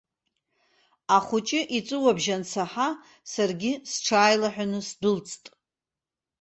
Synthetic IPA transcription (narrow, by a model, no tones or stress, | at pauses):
aχʷʊt͡ʃʼɪʔit͡sʷʼɨwabʒant͡sʰaħa | sarɡʲɪsʈ͡ʂʰaːjlaħʷᶣanɨsdʊlt͡sʼʰtʼ